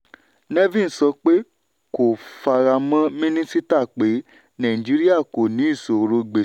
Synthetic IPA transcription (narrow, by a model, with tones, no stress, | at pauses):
nɛ˦vĩ˦˨n̩˨sɔ˧k͡pe˦ | ko˨fa˧ɾa˧mã˦mĩ˦nĩ˦si˦ta˦˨k͡pe˨˦ | nã˨ĩ˨d͡ʒi˨˦ɾi˦a˦˨ko˨nĩ˨˦i˦˨so˨˧ɾo˧ɡ͡be˨